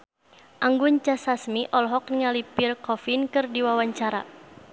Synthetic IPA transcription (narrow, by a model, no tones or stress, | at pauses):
ʔaŋɡuɲt͡ʃasasmiʔɔlɦɔk̚niŋalipirkɔfinkɨrdiwawaɲt͡ʃaɾa